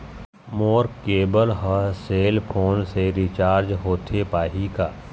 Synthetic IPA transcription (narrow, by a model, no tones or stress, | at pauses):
moːɾkeːbəlɦəseːlpʰoːnseɾɪt͡ʃaːɾd͡ʒɦoːt̪ʰepaːɦikaː